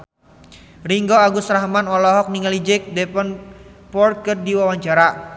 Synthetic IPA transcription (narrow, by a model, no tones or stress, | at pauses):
riŋɡɔaɡusɾaɦmanɔlɔɦɔk̚niŋalid͡ʒɛk̚dɛpɔnpɔr̚kərdiwawaɲt͡ʃaɾa